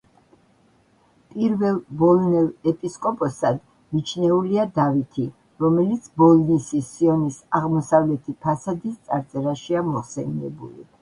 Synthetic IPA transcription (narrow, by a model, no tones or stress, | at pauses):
pʼiɾvɛlˠbɔlˠnɛlˠɛpʼiskʼɔpʼɔsad̪ | mit͡ʃʰnɛuliad̪avit̪ʰi | ɾɔmɛlit̪sʰbɔlˠnisisiɔnisaʁmɔsavlɛt̪ʰipʰasad̪ist̪sʼaɾt̪sʼɛɾaʃiamɔχsɛniɛ̰bṵlḭ